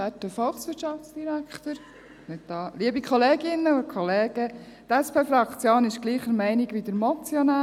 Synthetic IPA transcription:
ætːəfɔlχsʋɪtʃɑft͡sd̥iɾækʰt̪əɾ | mɪtdɑːliːəbikʰɔleːɡɪnːəokʰχɔleːɡ̥ət̪ɛspʰeːfɾɑkʰt͡sjoːnɪʃɡ̥liːχəɾmɛɪniɡʋid̥̪əɾmɔt͡sjɔnaː

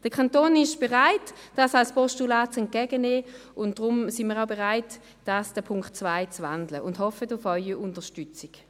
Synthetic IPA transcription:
d̥əkʰantoːnɪʃb̥ɛʁaɪtd̥asalspɔʃtulaːtt͡sɛnt̚kɛɡəneːʊntd̥ʁʊmsɪnmiːʁaʊbɛʁaɪt | d̥asd̥əpʰʊŋktt͡svaɪt͡svandləʊndhɔfətʊfœʏiʊntəʃtʏt͡sik

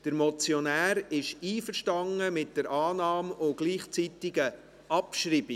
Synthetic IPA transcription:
d̥əɾmɔt͡sjɔnæːɾɪʃiːfəɾʃtɑŋəmɪt̚d̥əɾʔɑːnɑːmoɡ̥liːχt͡sitɪɡə | ʔɑpʃɾiːbi

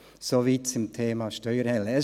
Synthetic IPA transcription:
soviːt͡sʊmtʰeːmɑʃtœʏəɾɛlɛ

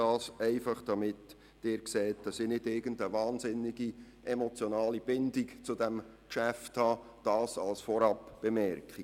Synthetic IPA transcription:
ɑːsɛɪfɑχd̥ɑmɪt | d̥ɪːɾksɛːt̚d̥ɑsinɪdɪɾɡ̥əndəvɑːnzɪnːɪɡi | ʔɛmɔt͡sjonɑːlib̥ɪndɪkt͡sudɛm | kʃæfthɑː | d̥ɑːsɑlsfɔɾɑpb̥emɛɾkχi

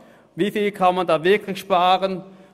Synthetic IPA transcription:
viːfiːlkʰanmandaːvɪɐkʰlɪçʃpaːʁən

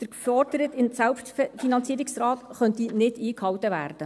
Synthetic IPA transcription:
d̪̥əɾkfɔrd̥əɾətɪnsælpʃtfinɑnt͡siːəɾiksrɑːt̪χœntinɪd̥iːkhɑwtəʋæ̰ːrd̥ə

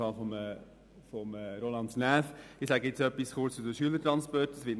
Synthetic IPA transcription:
ɑlfɔmə | fɔmːɾolɑntnæːfɪχsæɡəett͡sœpːisχʊrt͡sudəʃyələtɾɑnspɔrtəsʋɪt

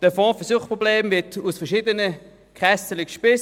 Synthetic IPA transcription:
d̥əfɔ̃ːfɛɐsuːχpʁɔbleːmvɪtʰusfɛɐʃiːdənə | kʁɛsəlɪkʃpɪs

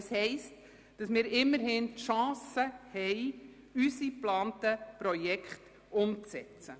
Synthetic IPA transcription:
shɛɪst | d̥ɑsmɪːɾɪmːəɾhɪntʃɑ̃ːsəhɛɪ | ysiplɑːntəpɾɔjɛkχt | ʊmt͡sɛt͡sə

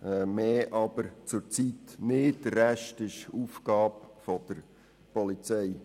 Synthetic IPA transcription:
ɛmeːʔɑb̥əɾt͡sʊɾt͡sit̪nɪəɾæʃtɪʃuːfkɑːbfɔd̥əɾ | pɔlit͡sɛɪ

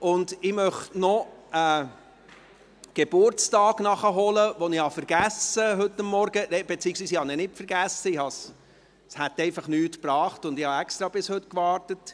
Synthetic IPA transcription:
ʊndɪmœχtnɔə | ɡ̥eb̥ʊɾt͡stɑːɡ̥nɑχəɦɔləʋɔnɪhɑfəɾɡ̥æsəɦɵtːɑmːɔɾɡənɛb̥et͡siːəksʋiːs̬ɪhɑnɛnɪtfəɾɡæsːəɪhɑs | shæt̪ːɛɪfɑχnyːtpɾɑːχtʊndɪhɑɛkstɾɑːbɪshɵtkʋɑːɾtət

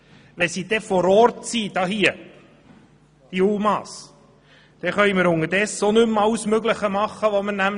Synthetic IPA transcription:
ʋɛsid̥̪ɛfɔɾɔɾtsiːd̥ɑːɦiə | d̪̥iulˠmɑːs | d̥ɛχœjməɾʊŋːəɾdɛsːonɵmɑlsmøɡləχəmɑχːəʋomənæm

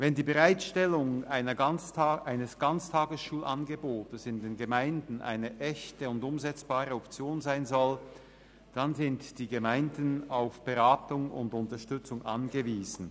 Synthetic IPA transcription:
vɛndiːbəʁaɪtʃtɛlʊŋaɪnɐ | aɪnəsɡ̥ant͡stʰaːɡəsʃuːlʔanɡəboːtəsɪndeːnɡəmaɪndn̩ʔa̰ɪnəʔɛçtəʊndʊmzɛt͡sb̥aːʁəɔpt͡sjoːnzaɪnzɔl | d̥anzɪntd̥iːɡəmaɪndən̩aʊfb̥əʁaːtʊŋʊ̰ndʊntɐʃtʏt͡sʊŋʔa̰nɡəviːzn̩

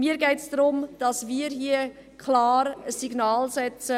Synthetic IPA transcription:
miːəɾɡɛɪtsd̥ɾʊmd̥ɑsmiːɾɦiə | kʰlaːɾəsːiɡnaːlsɛt͡sə

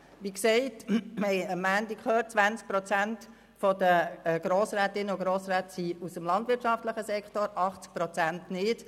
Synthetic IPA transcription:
ʋiksɛɪtmɛɪəmːændikχøːt͡sʋænt͡sk̚pɾɔt͡sænt | fɔd̥̪əɡ̥ɾoːsɾæːtɪnːəʊɡɾoːsɾæːtəsiusəmlɑndʋɪtʃɑftləχəsɛkχtoɾɑχt͡sk̚pɾɔt͡sæntnɪt

